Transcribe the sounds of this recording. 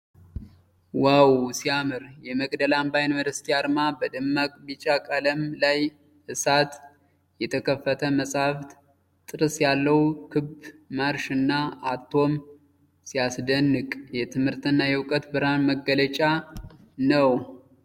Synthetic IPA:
wawsiamɨɾjɛməkʼd̪əlambajnməd̪əst̪ʰiaɾmabəd̪ɨmːakʼbit͡ʃakʼələmlaj | hɨsat̪ | jɛt̪ʰəkʰəfːət̪ʰəməsʼaft̪ | t̪ʼɨɾɨsjalːəwkʰɨbmaɾʃɨnːaat̪ʰːo̞m | sijasd̪ənːɨkʼjɛt̪ʰɨmhɨɾt̪ɨnːajɛwkʼət̪bɨɾanməɡːələt͡ʃʼa | nəw

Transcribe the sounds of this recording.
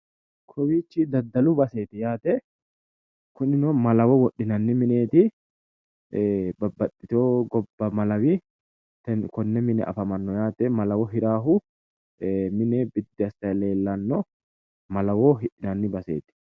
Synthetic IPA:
kʰɔwiːt͡ʃːɪd̪ɐd̪ːɐlʊbɐse̞ːt̪ɪjaːt̪ɛ | kʊnɪnɔmɐlɐwɔwɔɗːɪnɐnːɪmɪneːt̪ɪ | bɐbːɐt̪ʼːɪt̪oːɡɔbːɐmɐlɐwɪ | t̪ɛnkɔnːɛmɪnɛ̰ʔɐ̰fɐmɐnːɔjaːt̪ɛmɐlɐwɔɦɪɾaːɦʊ | mɪnebɪd̪ːɪɐst̪ɐjɐleːlːɐnːɔ | mɐlɐwoɦɪᶑɪnɐnːɪbɐse̞̰ːt̪ɪ̥

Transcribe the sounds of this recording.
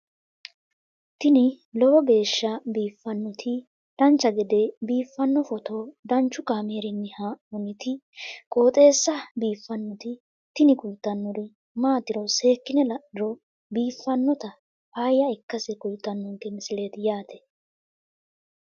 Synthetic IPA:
t̪ɪnɪ | lɔwɔbe̞ːʃːɐbiːfːɐnːɔt̪ʰɪ | d̪̥ɐnt͡ʃːɐɡɛd̪ɛbiːfːɐnːɔfɔt̪od̪ɐnt͡ʃːʊkaːmeːɾɪnːɪhaɔnɪt̪ɪ | kʼoːt̪ʼe̞ːsːɐbiːfːɐnːɔt̪ɪ | t̪ɪnɪkʊlt̪ːɐnːɔɾɪ | maːt̪ɪɾɔse̞ːkːɪnɛlɐɪɾɔ | biːfːɐnːɔt̪ɐ | hajːɐɛkːɐsɛkʊlt̪ːɐnːɔŋkɛmɪsɪleːt̪ɪjaːt̪ɛ̥

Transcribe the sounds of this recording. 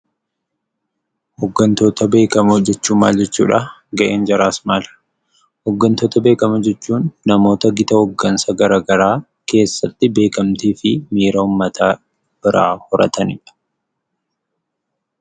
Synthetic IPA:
hɔɡːɐnt̪o̞ːt̪ɐbe̞ːkɐmʊd͡ʒɛt͡ʃːuːma̰ːld͡ʒɛt͡ʃːṵːᶑɐɡɐʔe̞ːnd͡ʒɐɾaːsmaːlɐ̥ | hɔɡːɐnt̪oːt̪ɐbe̞ːkɐmɐd͡ʒɛt͡ʃːuːnːɐmo̞ːt̪ɐɡɪt̪ɐhɔɡːɐnsɐɡɐɾaːɡɐɾaː | ke̞ːsːɐt̪ːɪbe̞ːkɐmt̪iːfɪmiːɾɐʊmːɐt̪ʰaː | b̥ɪɾa̰ːhɔɾɐ̰t̪ɐnɪ̰ᶑɐ̥

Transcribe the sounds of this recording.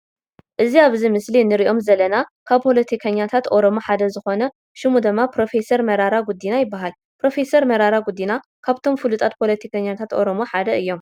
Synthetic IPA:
ʔɨziaβzimɨslinɨɾiʔo̞mzɐlɐnakʰaβpʰo̞lɐt̪ʰikʰɐɲːat̪ʰat̪ʔo̞ɾo̞moħad̪ɐzɨxo̞nɐ | ʃɨmud̪ɨmːapɾo̞fe̞sɐɾmɐɾaɾaɡud̪ːinajɪbːaɦal | pɾo̞fe̞sɐɾmɐɾaɾaɡud̪ːina | kʰaβt̪ʰo̞mfɨlut̪ʼat̪̚pʰo̞lɐt̪ʰikʰɐɲːat̪ʰat̪ʔo̞ɾomoħad̪ɐʔɨjːo̞m

